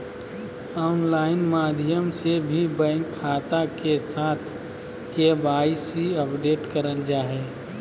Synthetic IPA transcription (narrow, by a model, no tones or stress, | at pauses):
ɔːnlaːɪnmaːd̪ʱjəmsebʱibə̃ŋkʰaːt̪akesaːt̪ʰ | kebaːisiəpɖeːʈkəɾəld͡ʒaːɦɛː